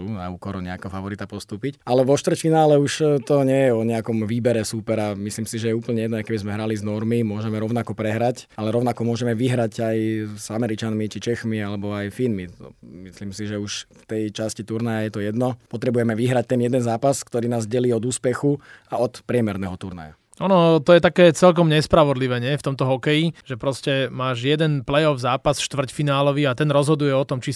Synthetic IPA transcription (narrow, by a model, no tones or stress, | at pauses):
unauːkɔɾɔɲɛakɛɦɔfaʋɔɾit̪apɔst̪uːpicalɛʋɔʃt̪ʋr̩tfinaːlɛuʃt̪ɔɲɪɛjɛɔɲɛakɔmʋiːbɛɾɛsupɛɾamisliːmsiʒɛjɛuːpl̩ɲɛjɛd̪nɔajkɛbizmɛɦɾaliznɔɾmimʊɔʒɛmɛɾɔʊnakɔpɾɛɦɾacalɛɾɔʊnakɔmʊɔʒɛmɛʋiɦɾacajz̥amɛɾit͡ʃanmit͡ʃit͡ʃɛxmialɛbɔajfinmit̪ɔ̰misliːmsiʒɛuʃft̪ɛjt͡ʃascit̪uɾnajajɛt̪ɔjɛd̪nɔpɔt̪ɾɛbujɛmɛʋiɦɾac̚t̪ɛnjɛd̪ɛnzaːpaskt̪ɔɾiːnaːzɟɛliːɔd̪uːspɛxuaɔt̪pɾɪɛmɛɾnɛɦɔt̪uɾna̰ja̰ | ɔnɔt̪ɔjɛt̪akɛːt͡sɛlk̬ɔmɲɛspɾaʋɔd̪liʋɛːɲɪɛft̪ɔmt̪ɔɦɔkɛjiʒɛpɾɔscɛmaːʒjɛd̪ɛnplɛjɔvzaːpasʃt̪ʋr̩cfinaːlɔʋiat̪ɛnɾɔzɦɔd̪ujɛɔt̪ɔmt͡ʃi